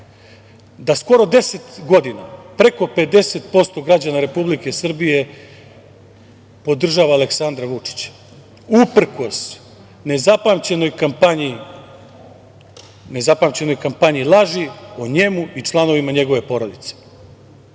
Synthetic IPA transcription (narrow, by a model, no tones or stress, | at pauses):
d̪asko̞ɾo̞d̪e̞se̞t̪ɡo̞d̪ina̰pɾe̞ko̞pe̞d̪e̞se̞t̪̚po̞st̪o̞ɡɾad͡ʑanaɾe̞publike̞sr̩bije̞ | po̞d̪r̩ʒaʋaːleksand̪ɾaʋut͡ʂi̥t͡ɕḁ | upr̩ko̞s | ne̞zapamt͡ɕe̞no̞jkampaɲi | ne̞zapamt͡ɕe̞no̞jkampaɲilˠaʒioɲe̞muit͡ʂlˠano̞ʋimaɲe̞ɡo̞ʋe̞po̞ɾo̞d̪it̪se̥